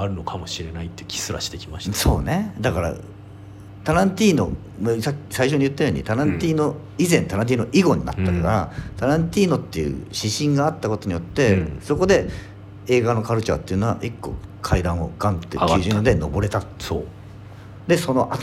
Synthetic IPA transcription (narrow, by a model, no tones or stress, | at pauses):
aɾɯno̞kʰamo̞ɕiɾe̞nait̪ːekʲi̥sɨɾa̰ɕi̥t̪e̞kʲi̥maɕi̥t̪so̞̰ːne̞d̪akaɾa̰ | t̪aɾãnt̪ʲiːno̞̰ | msakʲːsaiɕ̬o̞ɲ̟iɯ̟t̪ːajo̞ːɲ̟ḭt̪aɾãnt̪ʲiːno̞ | izẽ̞nt̪aɾãnt̪̬ʲiːnoʔiɡo̞ɲ̟ina̰t̪ːakaɾa̰t̪aɾãnt̪ʲiːno̞t̪ːe̞jɯ̟̰ɕiɕĩŋɡaːt̪ːako̞t̪o̞ɲ̟ijo̞t̪ːe̞so̞ko̞d̪e̞ | e̞ːɡano̞kaɾɯ̟t͡ɕa̰t̪ːe̞iɯ̟noa̰ʔikːo̞̰kʰaid̪ãɰ̃o̞̰ɡãnt̪ːekɨːʑĩd̪eno̞̰bo̞ɾe̞t̪aso | d̪e̞so̞no̞ʔa